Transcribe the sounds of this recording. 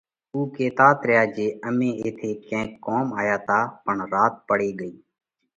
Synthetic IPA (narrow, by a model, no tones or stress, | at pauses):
uːkeːt̪aːt̪ɾjaːd͡ʒeːəmẽːeːt̪ʰeːkɛ̃ːkːoːmaːjaːt̪ʰaːpəɳɾaːt̪̚pəɽeːɠəiː